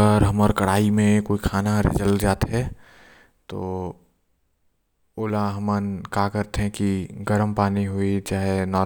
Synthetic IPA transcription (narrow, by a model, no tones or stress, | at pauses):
əɾɦɐməɾkəɽ̤aːimẽkoːikʰaːnaɾḛd͡ʒəld͡ʒaːt̪ɦɛ | t̪o̰ː | oːlaɦɐmənkaːkəɾt̪eɦɛ̃kiɡəɾəmpaːniɦuit͡ʃaːɦenɔː